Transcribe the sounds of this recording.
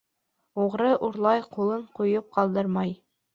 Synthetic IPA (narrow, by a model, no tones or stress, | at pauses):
uʁɾɤʔuɾlˠɑjqulˠɤɴqujɤp̚qɑlˠd̪ɤɾmɑj